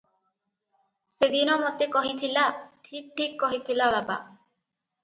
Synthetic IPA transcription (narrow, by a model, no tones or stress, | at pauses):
sed̪inɔmɔt̪ekɔɦit̪ʰilaʈʰik̚ʈʰikːɔɦit̪ʰilababa̰